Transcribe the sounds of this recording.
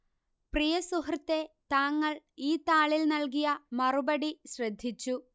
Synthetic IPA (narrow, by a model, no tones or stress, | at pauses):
prijɐsuhrt̪ːe̞t̪aːŋːɐɭiːt̪aːɭilnɐlkijɐmɐrubɐɽiɕrɐd̪ʱːit͡ɕːu